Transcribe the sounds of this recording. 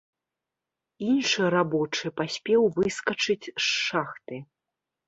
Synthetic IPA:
inʂɨɾabɔt͡ʂɨpasʲpʲɛwvɨskɐt͡ʂɨt͡sʲʂːaxt̪ɨ

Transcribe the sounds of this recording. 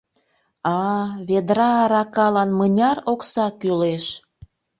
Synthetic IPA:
ɑβed̪ɾɑɾɑkɑlɑnmənʲɑroksɑkyleʃ

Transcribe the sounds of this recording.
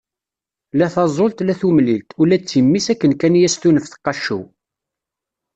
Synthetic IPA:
læθɑzˤolt̪læθumlilt̪ulæt͡sːimːisækːənkænjæst̪unəfθə̥qːɑʃṵ

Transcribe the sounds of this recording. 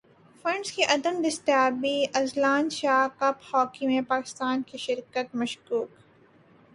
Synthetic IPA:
fɐ̃ɳɖskiʔɐd̪əmd̪ɪst̪jaːbiʔɐzlaːnʃaːkɐphɔːkimẽpaːkɪ̥st̪aːnkiʃɪɾkət̪mɐʃkuːk

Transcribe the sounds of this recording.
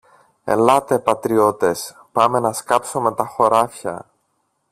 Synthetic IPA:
e̞̰lɐt̪e̞pɐt̪ɾio̞t̪e̞s | pɐme̞nɐskɐpsome̞t̪ɐxo̞ɾɐfçɐ̰

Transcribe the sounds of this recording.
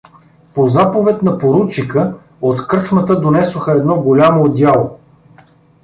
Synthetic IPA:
pozapovɛt̪nɐpoɾut͡ʃikə | ot̪kɾt͡ʃmət̪əd̪onɛsoxəɛd̪nɔɡolʲamod̪ʲjalˠo

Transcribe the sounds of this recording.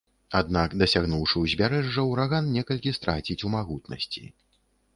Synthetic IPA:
ad̪nakd̪ɐsʲaɣnuwʂɨwzʲbʲaɾɛʐːɐwɾaɣannʲɛkɐlʲkʲist̪ɾat͡sʲit͡sʲumaɣut̪nɐ̰sʲt͡sʲḭ

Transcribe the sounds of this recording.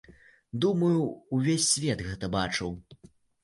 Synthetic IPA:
d̪umɐjuːvʲesʲːvʲɛt̪ɣɛt̪ɐbat͡ʂɨw

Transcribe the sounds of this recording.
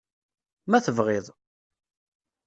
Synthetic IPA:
mæθəvʁɪðˤ

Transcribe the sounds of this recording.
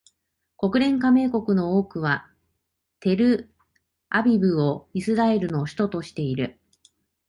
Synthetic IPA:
ko̞kɯ̟ɾẽ̞ŋkame̞ːko̞kɯ̟no̞oːkɯ̟βa | t̪e̞ɾɯ̟ | abʲibɯ̟o̞isɨɾae̞ɾɯ̟no̞ɕi̥t̪o̞t̪o̞ɕi̥t̪e̞iɾɯ̟

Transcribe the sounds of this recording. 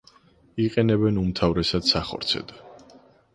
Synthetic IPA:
iqʼɛnɛbɛnumt̪ʰavɾɛsad̪̥saχɔ̰ɾt̪sʰɛ̰d̪̥

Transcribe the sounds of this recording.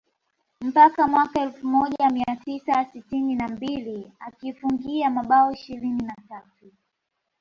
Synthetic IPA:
m̩pakamwakaɛlfumɔʄamiatisasitininambiliakifuŋɡiamaɓaɔiʃilininatatu

